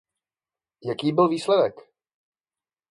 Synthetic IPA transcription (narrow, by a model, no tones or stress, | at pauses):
jakiːbɪlviːslɛdɛk